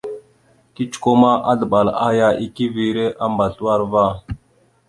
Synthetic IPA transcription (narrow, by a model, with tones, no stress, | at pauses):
ki˦t͡ʃu̥˨ko˦ma˦ʔa˦ɮə˨ɓa˨la˦ja˦ʔi˦ki˦vi˨ɾe˦ʔa˦mba˨ɬu˦wa˦ɾva˦˨